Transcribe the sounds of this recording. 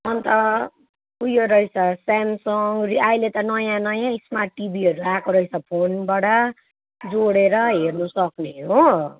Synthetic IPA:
ʌnt̪ʌ | ujoɾʌisʰʌsamsʌŋriajlet̪ʌnʌjãnʌjãismaʈibiɦʌɾuakoɾʌit͡sʰʌpʰonbaɽʌ | d͡zoɽeɾʌɦernʌsʌkneɦo

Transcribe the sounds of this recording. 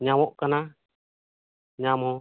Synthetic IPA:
ɲawɔʔkana | ɲamɔ

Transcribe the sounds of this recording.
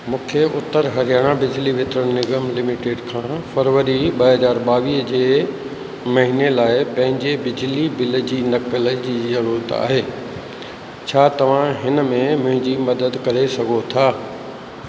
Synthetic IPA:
mũːkʰeʔʊt̪ːəɾɦɐɾijaːɽ̃abɪd͡ʑliʋɪt̪ɾəɽ̃nɪɡəmlɪmiʈeːɖkʰãːfɐɾʋəɾiɓɐɦɐzaːɾɓaːʋiːɦd͡ʑeː | mɐɦinelaːɪpɐ̃ɦɪ̃ɲd͡ʑebɪd͡ʑlibɪld͡ʑiːnɐkələd͡ʑiːzɐɾuːɾət̪a̰ːɦeː | t͡ɕʰaːt̪ɐʋ̤ãɦɪnəmẽmʊ̃ɦɪ̃ɲd͡ʑimɐd̪əd̪kɐɾesɐɡʱot̪ʰaː

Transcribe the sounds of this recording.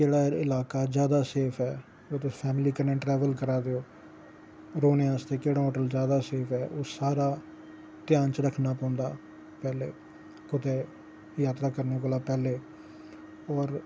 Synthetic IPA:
d͡ʒeːɽaːɪlaːkaːzjaːd̪aːseːpʰɛː | ʊt̪epʰɛːmliːkəɾnẽːʈɾɛːʋəlkəɾaːd̪eoː | ɾoːnẽːãːst̪eːkeːɽaːɦoːʈəld͡ʒjaːd̪aːseːfʰɛːʔoːsaːɾaː | t̪ɪjaːnt͡ʃəɾəkʰnaːpɔ̃ːnd̪a̰ː | pɛːlḛː | kʊt̪eː | jaːt̪ɾaːkəɾneːkolaːpɛːleː | ɔːɾ

